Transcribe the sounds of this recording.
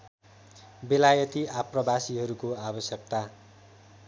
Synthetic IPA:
belajʌt̪iaprʌbasiɦʌɾukoabʌsjʌk̚t̪a

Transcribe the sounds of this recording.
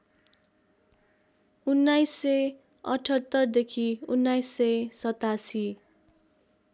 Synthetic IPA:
unːajsːʌj | ʌ̰ʈʰʌt̪ːʌrd̪ekʰiunːajsːʌjsʌt̪asi

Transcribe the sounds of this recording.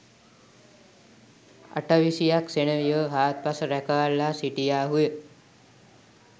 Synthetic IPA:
a̰ʈaʋisijaksenəʋijəɦaːt̪̚pasəɾæɛkaʋalːasiʈijaːɦujə

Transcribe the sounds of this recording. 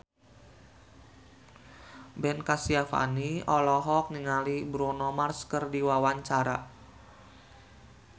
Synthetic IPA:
bɛnkasiafa̰niɔlɔɦɔk̚niŋalibɾonɔmarskərdiwawaɲt͡ʃaɾa̰

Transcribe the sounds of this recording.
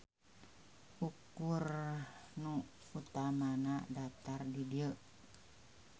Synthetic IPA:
ʔukurnu | ut̪amanadat̪ardidiə

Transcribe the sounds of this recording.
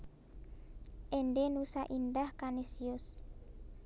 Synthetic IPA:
ʔenɖenusaʔindahkanesiʊs

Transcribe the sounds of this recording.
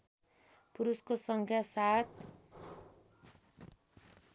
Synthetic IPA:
puɾuskosʌŋkʰjasat̪

